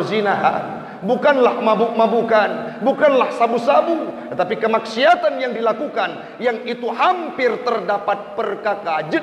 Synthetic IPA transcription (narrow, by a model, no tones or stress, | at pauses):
zinaɦa̰n | bukanlahmabumabukanbukanlahsabusabut̪ət̪apikəmaksiat̪anjaŋdilakukan | jaŋit̪uhampɪrt̪ərdapat̪̚pərkakad͡ʒə